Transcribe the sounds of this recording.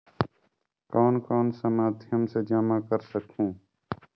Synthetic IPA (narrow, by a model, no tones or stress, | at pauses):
kɔːnkɔːnsəmaːd̪ʱɪjəmsed͡ʒaːmaːkəɾsəkʰũː